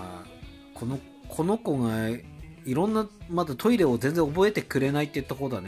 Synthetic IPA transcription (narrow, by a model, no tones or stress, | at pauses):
a | kʰo̞no | kʰo̞no̞ko̞ɡa | iɾõ̞nːamad̪at̪ʰo̞iɾe̞ozend͡zẽobo̞e̞t̪e̞kɯ̟ɾe̞nait̪ːejɯt̪ːako̞ːd̪ane